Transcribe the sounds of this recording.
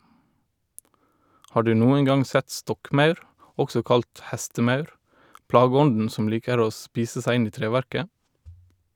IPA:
ˈhɑː ˈɖʉː ˈnuːən ˈɡɑŋ ˈsæt ˈstɔkˌmɑʉɾ ˈɔksɔ ˈkɑlt ˈhæstəˌmɑʉɾ ˈplɑːɡəˌɔndn̩ ˈsɔm ˈliːkəɾ ˈoː ˈspiːsə ˈsæɪ ˈɪn ˈiː ˈtɾeːˌʋæɾkə

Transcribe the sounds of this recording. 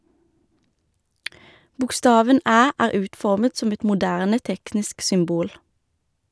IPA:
bʊkˈstɑːʋən ˈæː ˈæːʁ ˈʉːtˌfɔʁmət ˈsɔm ˈɛt mʊˈdæʁnə ˈtɛknɪsk sʏmˈbuːl

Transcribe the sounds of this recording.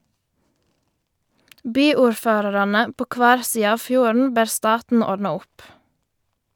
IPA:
ˈbyːuːɾˌføːɾɑɾɑnə ˈpoː ˈkʋæːɾ ˈsiːə ˈɑːʋ ˈfjuːɾn̩ ˈbeːɾ ˈstɑːtn̩ ˈɔɖnɑ ˈʊp

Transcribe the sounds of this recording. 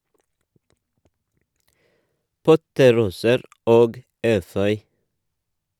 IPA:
ˈpɔtəˌɾuːsəɾ ˈoːɡ ˈeːfœʏ

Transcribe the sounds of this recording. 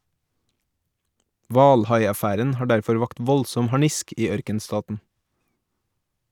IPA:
ˈʋɑːlˌhɑɪɑˌfæːɾən ˈhɑː ˈɖæɾfɔɾ ˈʋɑːkt ˈʋɔlsɔm hɑˈɳɪsk ˈiː ˈœɾkənˌstɑːtn̩

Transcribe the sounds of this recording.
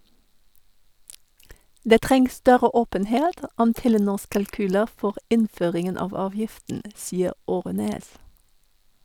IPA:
ˈdeː ˈtʁɛŋs ˈstœɾə ˈoːpənheːt ə ˈɔm ˈtɛləˌnuːs kɑlˈkyːlə ˈfɔʁ ˈɪnˌføːʁɪŋən ˈɑːʋ ˈɑːʋjɪftn̩ ə ˈsiːəʁ ˈoːʁɛneːs

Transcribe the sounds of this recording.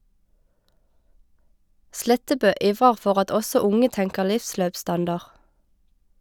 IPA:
ˈslɛtəbøː ˈʔiːʋʁəʁ ˈfɔʁ ˈɑt ˈʔɔsɔ ˈʊŋə ˈtɛŋkə ˈlɪfˌsløːpˌstɑndɑʁ

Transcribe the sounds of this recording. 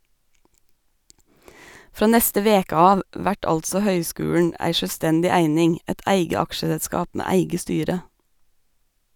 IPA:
ˈfɾoː ˈnɛstə ˈʋeːkə ˈɑːʋ ˈʋæʈ ˈɑltsɔ ˈhœʏˌskʉːʉɳ ˈæɪ ʃœlˈstɛndɪ ˈæɪnɪŋ ˈæɪt ˈʔæɪɡə ˈɑkʃəsəlˌskɑːp ˈmeː ˈæɪɡə ˈstyːɾə

